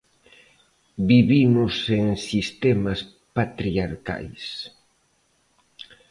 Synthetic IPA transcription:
biβimʊseŋsist̪ɛmas | pat̪ɾiaɾka̰js

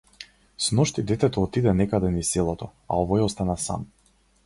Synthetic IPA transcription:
snɔʃt̪id̪ɛt̪ɛt̪ɔːt̪id̪ɛnɛkad̪ɛnisɛlˠɔt̪ɔa̰ɔvɔjɔst̪anasa̰m

